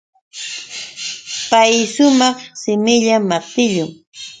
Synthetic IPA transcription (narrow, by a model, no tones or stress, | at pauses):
pajʃʊmɑχsɪmɪʎamat̪ɪʎʊŋ